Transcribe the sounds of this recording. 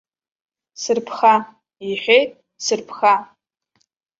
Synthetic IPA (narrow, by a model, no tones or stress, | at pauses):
sɨrpʰχa | iħʷᶣejtʼ | sɨrpʰχa